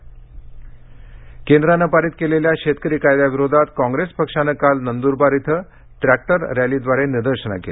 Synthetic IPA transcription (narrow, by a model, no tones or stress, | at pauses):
kend̪ɾanəpaɾit̪keleljaɕet̪kəɾiːkajd̪jaʋiɾod̪ʱat̪kɔ̃ŋɡɾespəkʂanəkalnənd̪uɾbaɾit̪ʰə | ʈɾæk̚ʈəɾːjalid̪ʋaɾeniɾd̪əɾɕəna̰kḛl